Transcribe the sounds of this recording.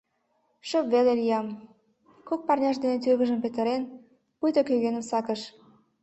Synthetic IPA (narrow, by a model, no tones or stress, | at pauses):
ʃə̆pβelelʲiɑm | kok̚pɑrnʲɑʃd̪enet̪yrɣə̆ʒə̆mpet̪ə̆ɾen | pujt̪okøɣenə̆msɑkə̆ʃ